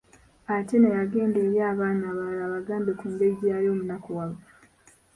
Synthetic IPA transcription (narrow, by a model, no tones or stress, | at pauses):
ate̞nejaɡe̞ːnde̞ːɾjaːβaːnaːβalaːβaɡaːmbe̞kuŋɡe̞iɟiajo̞ːmunakowaβo